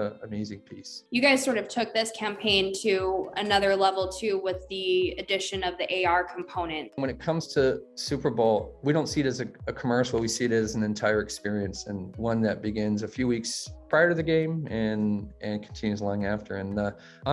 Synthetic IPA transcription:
ɨ̃mizĩŋpʰisjɨɡaɪz̥sɔɹɾʌv̥tʰʊk̚ðɪskʰæ̃mpʰẽɪ̃ntʰɨɨnʌðə˞lɛvl̩ˠtʰʉwɪðiɨdɪʃɨ̃nʌvðiʔeɪɑɹkʰm̩pʰõʊ̃nɨ̃nt̚wə̃nɨt̚kʰʌ̃mz̥tʰɨsʉpə˞boʊlˠwiɾõʊ̃ntsiɨɾɨzɨɨkʰəmɜ˞ʃl̩ˠwisiɨɾɨzn̩ɨ̃ntʰaɪə˞ɨkspɪɹiɨ̃nsɨ̃nwʌ̃nðɨt̚b̥ɨɡɪ̃nzɨfjʉwikspʰɹ̥aɪə˞ɾʌvðɨɡẽɪ̃mɨ̃nɨ̃nkʰn̩tʰɪ̃njʉzlɔ̃ŋæftʰə̰˞ɨ̃nʌ

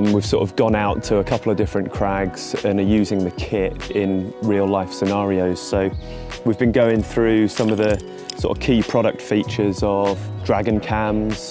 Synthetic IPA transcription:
mwiv̥sɔˑtəvɡɒ̃naʊtʰəːkʰʌpl̩ˠəvdɪfɹə̃nkʰɹ̥aɡz̥ə̃nəjʉːzɪ̃ŋðəkʰɪtɪ̃nɹiːəlaɪfsɪnɑːɹioʊz̥soʊ | wivbĩnɡəʊɪ̃ŋθɹʉːsʌ̃məvðə | sɔ̰ːˑtə̰v̥kʰiːpʰɹ̥ɒɾək̚tfiˑt͡ʃəzəv̥dɹaɡə̃nkʰãmz̥

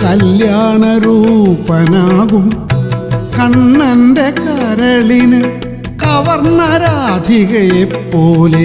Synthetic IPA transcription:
kɐljaːɳɐɾuːpɐnaːɣum | kɐɳːɐnɖekɐɾɐɭinɨ | kɐʋɐɾɳɐɾaːd̪ʱiɣɐjepːoːle

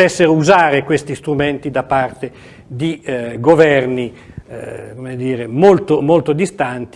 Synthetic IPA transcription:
ɛsːeɾouzaːɾekwest̪ist̪ɾument̪id̪apːart̪e | d̪iɡovɛrni | komed̪iːɾemolt̪omolt̪od̪ist̪ant̪

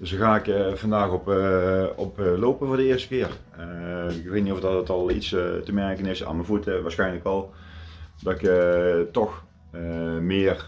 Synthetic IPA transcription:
d̥əsəxaːɪkvɑndaːxɔp | ɔploːpənvoːɹdəɪərstə̥kɪːr | ɪkʋetnitɔfdɑtətɑlˠitstəmɛɹkənɪsa̰ːnməvutəʋaːɹsxɛjnləkʋɔlˠ | dɑtɪktɔx | mɪər

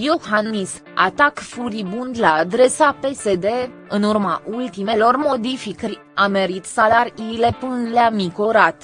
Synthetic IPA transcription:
johannis | a̰t̪akfuɾibund̪laːd̪ɾe̞sape̞se̞d̪e̞ | ɨnurmaʔult̪imelo̞rmo̞d̪ifikɾʲ | ame̞ɾit̪salaɾʲiːle̞pɨnleamikoɾat̪

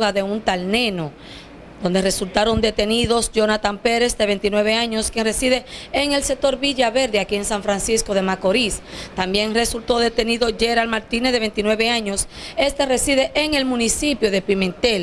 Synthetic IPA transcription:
ɣaðe̞unt̪alne̞no | d̪o̞nd̪e̞re̞sult̪aɾo̞nd̪e̞t̪e̞niðo̞sʝo̞nat̪ampe̞ɾe̞sd̪e̞βe̞nt̪inwe̞βe̞aɲo̞skje̞ŋre̞siðe̞ːŋe̞lse̞k̚t̪o̞ɾβiʝaβe̞ɾðeakie̞ŋsaɱfɾansisko̞ðe̞mako̞ɾist̪ambje̞ŋre̞sult̪o̞ðe̞t̪e̞niðo̞ʝe̞ɾalmaɾt̪inesðee̞nt̪inwe̞βe̞aɲo̞se̞st̪e̞re̞siðe̞ʔeŋe̞lmũnisipjo̞ðe̞pimẽ̞nt̪el

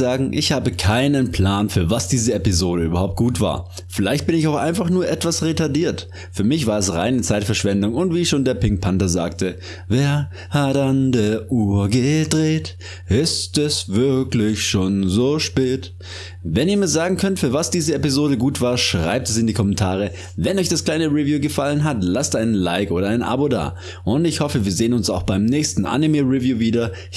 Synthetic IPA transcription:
zaːɡŋ̩ʔɪçhaːbəkʰaɪnənpʰl̥aːnfyːɐvasd̥iːzəepizoːɾəyːbɐhaʊp̚t̚ɡ̥uːtv̥a̰ːɐ | fɪlaɪçt̚b̥ɪnɪçaʊxʔa̰ɪnfaχnuːɐʔɛtv̥asʁetadiːɐt | fyːɐmɪçv̥aːɐɛsʁa̰ɪnət͡saɪtfɛɐʃv̥ɛndʊŋʊntv̥iːʃoːndeːɐpɪŋk̚pʰantɐza̰ːktə | veːɐ | hatandeːɐʔuːɐɡədʁeːt | ʔɪstɛsvɪɐklɪçʃoːnzoːʃpeːt | vɛniːɐmiːɐzaːɡŋ̩kʰœntfyːɐvasd̥iːzəepizoːɾəɡuːtv̥aːɐʃʁ̥a̰ɪp̚tɛsɪndiːkʰɔmɛntʰaːʁ̞ə | vɛnʔɔʏçd̥askl̥aɪnəʁivjuːɡəfalənɦatlastʔaɪnənla̰ɪkʔoːɾɐaɪnʔa̰boda̰ː | ʔʊntɪçhɔfəviːɐzeːənʊnsaʊxb̥aɪmnɛːçstn̩ʔa̰nimeʁivjuːviːdɐ

